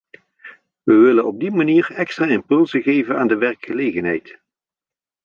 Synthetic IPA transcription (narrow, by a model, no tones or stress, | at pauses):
ʋəʋɪlənɔb̚dimaniːɹɛkstraːɪmpɵlˠzəɣejvənaːndəʋɛrkχəlejɣənɦɛ̰jt